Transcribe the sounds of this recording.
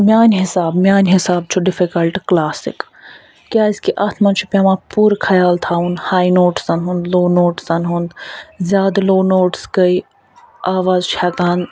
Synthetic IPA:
mjaːnɦɪsaːbmʲjaːnɦɪsaːb̚t͡ʃʰuɖɪfikɐlʈklaːsɪ̰kː | jaːiskiʔɐt̪ʰmɐnt͡ʃʰupʲaːmãːpuːɾkʰɐjaːlt̪ʰaːũnhaːjnoːʈsɐnɦũnd̪loːnoːʈsɐnɦũnd̪zʲjaːd̪loːnoːʈskəi | aːʋaːzt͡ʃʰɛːkaːn

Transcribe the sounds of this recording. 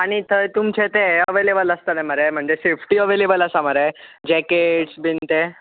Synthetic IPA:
aɽ̃it̪ʰət̪umt͡ɕʰet̪eəʋelebələst̪ənãməɾem̤əɳd͡zesefʰʈiəʋelebələsaməɾed͡ʑɛkeʈsbint̪e

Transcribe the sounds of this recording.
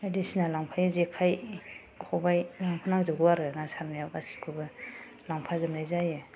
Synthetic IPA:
edisinalaŋpʰajzekʰaj | kʰɔbajlaŋpʰanaŋzɯɡɯwaɾɯnasaɾmajawasi̥kʰubɯ | laŋpʰazɯmlajzajɯ

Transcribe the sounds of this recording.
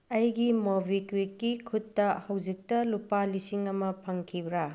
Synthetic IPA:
ɐjɡimobʱikwikːikʰutːɐhɐwd͡ʒik̚tɐlupalisiŋɐmɐpʰɐŋkʰibɾa

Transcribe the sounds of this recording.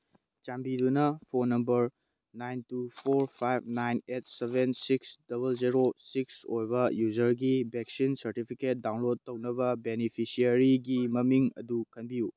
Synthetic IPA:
t͡ʃambidunɐpʰonːɐmbɐɾ | najntupʰoɾpʰajb̚najnet̚sebʱensiksd̥ɐβɐlziɾosiksojbɐjuzɐɾɡibeksinsɐɾtipʰiket̚dawnlod̚tːɐwnɐbɐbenipʰisiɐɾiɡimɐmiŋɐ̰dukɐnbiju

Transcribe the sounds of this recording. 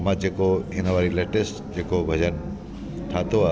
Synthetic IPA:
mãd͡ʒekoɪnoʋaːɾileʈesʈd͡ʒeːkobʱəd͡ʒən | ʈ̪ʰat̪oa

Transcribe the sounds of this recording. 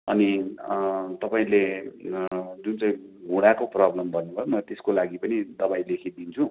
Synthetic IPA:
ʌ̰ni | t̪ʌpaĩle | d͡zunt͡sʌĩɡuɽakoprʌblʌmbʱʌnːubʱʌjomʌt̪eskolaɡipʌnid̪ʌbaĩlekʰid̪int͡sʰu

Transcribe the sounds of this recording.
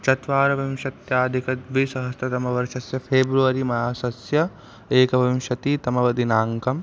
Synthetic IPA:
t͡ʃɐt̪ʋaːɾɐʋɐmʃɐt̪jaːd̪ʱikɐt̪ʋisɐɦɐst̪ʰɐt̪ɐmɐʋɐɾʃɐsjɐpʰeːbɾuʋɐɾimɐjaːsɐsjɐ | eːkɐʋɐmʃɐt̪it̪ɐmɐʋɐd̪inaːŋkɐm

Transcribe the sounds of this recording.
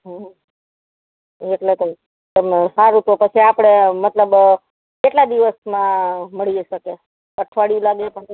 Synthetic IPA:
ɦə | eʈlet̪o | t̪əmsaɾut̪opət͡ʃʰiapɽ̃emət̪ləb | keʈlad̪iʋəsmãməɭieʃəke | kəʈʰʋaɽijũlaɡepəɳ

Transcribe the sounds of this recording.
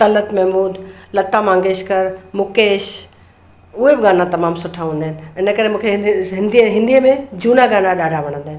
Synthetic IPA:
t̪ɐlət̪mɛɦmuːd̪lɐt̪amãːŋɡeːʃkɐɾmʊkeːʃ | ʊɦebɪɡaːnat̪ɐmaːmsʊʈʰaɦũːnd̪aːɦɪnɪ̆ɪnə̆kɐɾemũːkʰeɦɪ̃nd̪iɦɪ̃nd̪ijəmẽd͡ʑuːnaɡaːnaɗaːɖʱaʋɐɽ̃ə̃nd̪aːɦɪn

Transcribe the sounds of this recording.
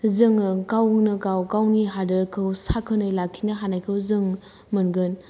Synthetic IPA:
zɯŋkawnɯkawkawniɦadɐɾkʰɯwsakʰɯnɯjlakʰːinɐɦanajkʰɯwzɯŋ | mɯnɡɯn

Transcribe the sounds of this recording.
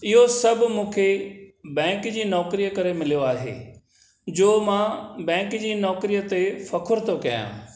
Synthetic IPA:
ɪɦosɐbmũːkʰebɛ̃ːŋkd͡ʑiːnɔːkɾijkɐɾemɪlijoaːɦḛː | d͡ʑoːmãːbɛ̃ːŋkd͡ʑiːnɔːkɾijət̪efɐkʰʊɾt̪ʰokɐjã̰ː

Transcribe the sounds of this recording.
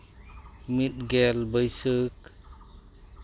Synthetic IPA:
mit̪̚ɡɛlbəjsək̚

